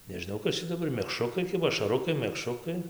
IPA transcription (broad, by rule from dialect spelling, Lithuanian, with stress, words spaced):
nʲɛʒʲɪˈnɐʊ ˈkɐs t͡ʃʲɛ dɐˈbɐr mʲɛkˈʃrʊkɐɪ ˈkʲɪbɐ ɐʃɐˈrʊkɐɪ mʲɛkˈʃrʊkɐɪ